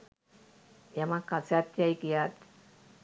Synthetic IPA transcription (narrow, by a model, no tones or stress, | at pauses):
jamakat͡sat̪ːjajkiat̪